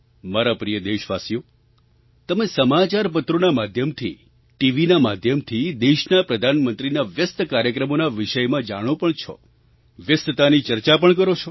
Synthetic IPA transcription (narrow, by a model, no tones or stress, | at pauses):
maɾapɾijəd̪eʃʋasijo | t̪əmesəmat͡ʃaɾp̬ət̪ɾonamad̪ʱjəmt̪ʰḭ | ʈiʋinamad̪ʱjəmt̪ʰid̪eʃnapɾəd̪ʱanmənt̪ɾinaʋjəst̪kaɾjəkɾəmonaʋiʃəjmãd͡ʒaɽ̃õpəɳt͡ʃʰɔ̰ | ʋjəst̪ət̪anit͡ʃəɾt͡ʃapəɳkəɾot͡ʃʰɔ